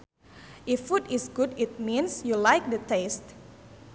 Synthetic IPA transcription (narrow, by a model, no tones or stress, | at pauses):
ʔifːutisɡudit̚mĩnsjulaɪk̚dətest